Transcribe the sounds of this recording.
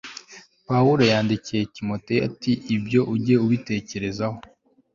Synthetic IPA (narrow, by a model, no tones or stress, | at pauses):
pauɾojaːndicijetimo̞te̞a̰tiʔibjo̞ʔuɟe̞uβite̞ːce̞ɾe̞zaho̞